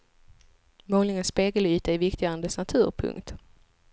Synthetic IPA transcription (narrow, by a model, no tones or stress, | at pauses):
moːlɪŋənspeːɡəlyːt̪aɪvɪkt̪ɪɡand̪əsnat̪ʰʉ̟ːɾpʰɵ̰ŋkt̪